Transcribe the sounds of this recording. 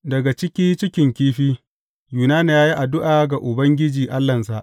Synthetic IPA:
dɐ˨ɡa˨t͡ʃɪ˦kʲiː˦t͡ʃɪ˦kʲɪ˨ŋkʲiː˦ɸiː˦ | juː˨naː˦n˨jaː˦ji˦ʔa˨dʊ˦ʔaː˨ɡa˨ʔʊ˨bɐ˦ŋɡʲɪ˦d͡ʒiː˨ʔa˦lːɐ˨ns̬a˨ʔ

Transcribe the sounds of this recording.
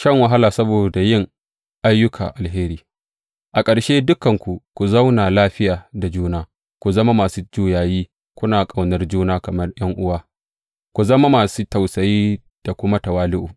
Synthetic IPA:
ʃɐ˦ŋwɐ˨ɦa˦laː˨sɐ˦boː˨da˨jɪ˦ŋ | ʔa˦jːʊ˦kʰa̰ː˨ʔa˨lɦeː˦ɾiː˦ | ʔa˨kʼɐ˨ɽʃeː˦dʊ˦kɐ˨ŋkʷu˨kʷu˨zɐ˦wnaː˨laː˦ɸɪ˦jaː˨da˨d͡ʒuː˦naː˦ | kʷu˨zɐ˦ma˦maː˨suː˦d͡ʒuː˦˨jaː˨jiː˦ | kʷʊ˦naː˨kʼa˨wnɐ˦rd͡ʒuː˦naː˦kɐ˨mɐ˦rj̰ɐ˦ŋʔʊ˦waː˦ | kʷu˨zɐ˦ma˦maː˨suː˦ta˨wsɐ˨jiː˦ | d̥a˨kʷʊ˦ma˦tɐ˨waː˦lɪ˦ʔuː˨

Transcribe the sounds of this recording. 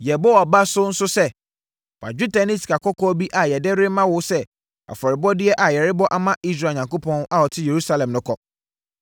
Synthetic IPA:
jɛ˨bɔ˦wɔ˨ba˦sʊ˦n̩˦sʊ˦sɛ˦˨ | fa̰˨d͡ʑᶣu˦tʰa˨ni˦si̥˨ka˨kʰɔ˦kʰɔː˦bi˦ʔa˨jɛ˨dɛ˦ɾɪ˦mã˦wʊ˦sɛ˦ | a̰˨fɔ˨ɾɪ˨bɔ˦dɪ˦ɛ˦ʔa˨jɛ˨ɾɪ˦bɔ˦ʔa˦mã˦ʔi˦s̬ɾaː˨ɲã˨ŋko˦pʰɔ̃˦n˦ʔa˦˨wɔ˨tʰɪ˦je˨ɾu˦sa˦lɛ̃˨mnʊ̃˦kʰɔ˨

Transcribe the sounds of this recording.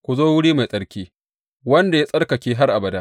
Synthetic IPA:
kʷu˨zoː˦wʊ˦ɽiː˦ma˨jsʼɐ˨ɽkʲiː˦ | wɐ˦nda˨ja˦sʼɐ˦rkɐ˨kʲeː˦ɦa˦rʔa˨bɐ˨daː˦

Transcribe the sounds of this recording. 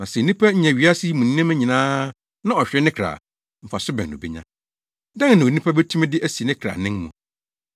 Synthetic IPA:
nã˨sɛ˨nĩ˦pʰæ˦ɲ̩˦ɲɛ̃˨ɥi˨˦a˦si˦mũ˨nĩ˦nɪ̃˦mæ̃˦ɲĩ˨nãː˦ | nã˦ɔ˨ɕᶣɾɪ˦nɪ̃˦kʰɾa̰ː˨ | m̩˨fa˨sʊ˦bɛ̰̃˨n˨nʊ̰̃˨bɛ̰˦ɲã˦ | dã˦n˦nã˨o˨nĩ˦pʰa˦bɛ˦tʰũ˦mɛ̃˦dɪ˦ʔæ˦si˨nɪ̃˦kʰɾa̰ː˨nɪ̃˦ŋmṵ̃˨

